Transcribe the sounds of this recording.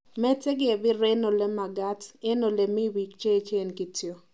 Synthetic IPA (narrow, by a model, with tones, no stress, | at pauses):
mɛ˦te˦ɡe˨bɪ˦ɾe˦no˨le˦ma˨ɡa˦te˦no˨le˨mɪ˦wi˨k̚t͡ʃe˦t͡ʃe˦˨nkɪ˨tjo˦